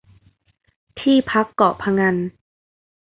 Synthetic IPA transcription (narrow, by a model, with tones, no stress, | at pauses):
t̪ʰiː˥˩˨pʰa˦˥kːɔː˨˩pʰa˧ŋa˧n